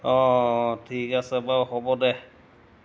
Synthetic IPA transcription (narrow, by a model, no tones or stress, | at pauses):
ɔtʰikasɛbawxɔbɔdɛ